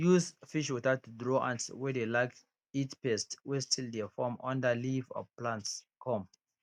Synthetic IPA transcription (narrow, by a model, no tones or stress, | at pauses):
juzfiʃwutatudɹoʔã̰ntwɛdelaɪk̚ | itpɛstwɛstʰildɛfɔmɔ̰̃ndəlivɔ̰plãnts | kʰɔ̃m